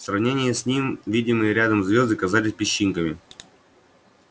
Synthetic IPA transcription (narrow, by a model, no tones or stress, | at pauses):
srɐvnʲenʲɪjəsʲnʲimvʲidʲɪmɨjəɾʲad̪əmzvʲozd̪ɨkɐzalʲɪsʲpʲɪɕːinkəmʲɪ